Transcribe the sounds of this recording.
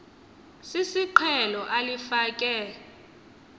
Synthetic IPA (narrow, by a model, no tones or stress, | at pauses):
sisiǃʰɛlɔʔalifakʼɛːlɛ